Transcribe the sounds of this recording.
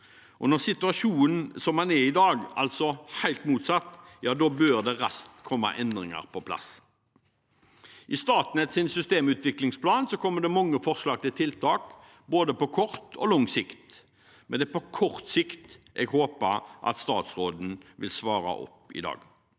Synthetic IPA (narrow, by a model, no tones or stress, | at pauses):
ʔɔnɔʁsɪt̪ʉɑʂuːn̩sɔmhɑnɛʁɪd̪ɑːɡɑ̰lsɔhæɪlt̪muːt̪sɑt̪ːjɑːd̪oːbøːʁd̪ɛʁɑst̪kʰɔmːɑ̰ʔɛnd̪ʁɪŋə̰ʁpʰɔpʰlɑ̰s | ʔɪst̪ɑːt̪n̩ɛt̪sɪnsʏst̪eːmʉːt̪ʋɪklɪŋspʰlɑːnsɔkʰɔmːəd̪ɛmɑŋːəfɔʁslɑːɡt̪ɪlt̪ʰɪlt̪ʰɑːk | boːd̪əpɔkʰɔʁt̪ʰɔ̰lɔŋsɪkt̪ | mɛnd̪ɛpɔkʰɔʁt̪sɪkt̪ | ʔɛ̰ɡhoːpəʁʔɑ̰t̪st̪ɑːt̪sʁoːd̪n̩ʋɪlsʋɑːʁɑ̰ʔɔ̰pːɪ̰d̪ɑ̰ːɡ